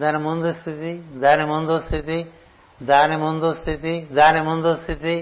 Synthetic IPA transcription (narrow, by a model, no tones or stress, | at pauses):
d̪anemond̪ost̪ʰit̪id̪anemond̪ost̪ʰit̪i | d̪anemond̪ost̪ʰit̪id̪anemond̪ost̪ʰit̪i